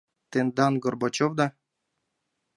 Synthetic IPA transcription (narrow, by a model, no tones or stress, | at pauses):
t̪end̪ɑnɡŏrbot͡ɕovd̪ɑ